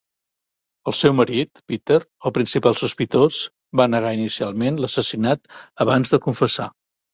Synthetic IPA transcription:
əlˠsɛwməɾit̪pit̪eɾəlˠpɾinsipalˠsuspit̪oz | banəɣ̞ainisialˠmenləsəsinat̪əβanzðəkuɱfəsa

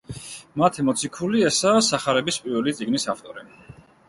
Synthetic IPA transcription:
mat̪ʰimɔt̪sʰikʰuliɛsaːsaχaɾɛbispʼiɾvɛlit̪sʼiɡnisaft̪ʼɔɾi

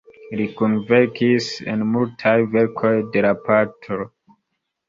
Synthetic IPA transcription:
likunveɾkisḛnmultʰajveɾkʰo̞jdelapatʰo

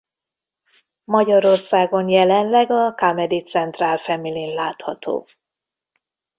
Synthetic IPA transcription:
mɒɟɒɾo̞rsaːɡo̞njɛlɛnlɛɡɒkamɛd̪it̪sɛnt̪raːlfɛmilinlaːt̪hɒt̪ʰo̰ː

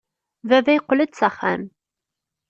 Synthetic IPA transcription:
vævæjqːləd̪t͡sæχæ̰m

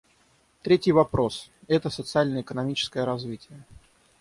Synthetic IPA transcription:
t̪ɾʲetʲɪjvɐpɾo̞s | ɛt̪əsət̪sɨalʲnəjəɪkənɐmʲit͡ɕɪ̥skəjəɾɐzvʲitʲɪjə

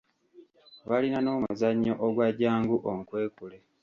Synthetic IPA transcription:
βalinano̞ːmuzaɲːoʔoɡwaɟaːŋɡuʔoŋkwe̞ːkule

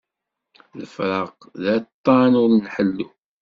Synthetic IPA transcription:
ləfɾˤɑq | ðæt̪ˤːɑnʊɾnħəlːu

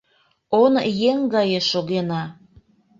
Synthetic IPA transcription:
onjeŋɡɑjeʃoɣenɑ

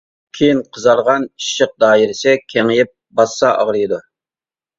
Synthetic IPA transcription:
kʲʰejinqʰəzɑɾˠʁɑniʃːəq̚d̪ɑːjɪɾɪsɪkʲʰɛŋjɪp̚bɑsːɑʔɑ̰ʁɾɨjid̪u

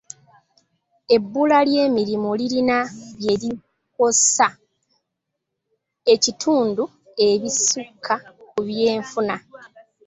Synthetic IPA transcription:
e̞bːulalje̞ːmiɾimuliɾinaβje̞ɾi | ko̞sa | e̞citʰuːndu | e̞βisukʰːakuβje̞ːɱfuna

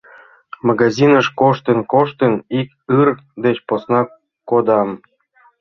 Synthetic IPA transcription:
mɑɡɑzinəʃkoʃt̪ənkoʃt̪ənik | ɯrd̪et͡ɕposnɑ | kːod̪ɑm

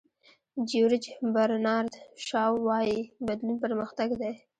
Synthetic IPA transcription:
d͡ʒuɾɪd͡ʒbaɾnɑɾd̪ʃɑwːɑjibad̪lunpəɾməxt̪aɡd̪e

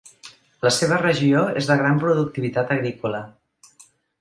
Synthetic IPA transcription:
ləseβ̞ərəʒioḛzðəɣɾampɾuðuk̚t̪iβit̪at̪əɣɾikulə

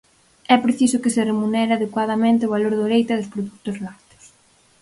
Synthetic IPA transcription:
ɛpɾeθisʊkɪsɪremunɛɾɪaðekwað̞ɐmẽnt̪ɪʊβaloɾðoɾejt̪ɐðʊspɾoðuk̚t̪ʊzlakt̪ʊ̥s

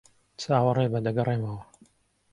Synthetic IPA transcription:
t͡sʰaːwɐrˤebɐd̪ɐɡɐrˤemawɐ

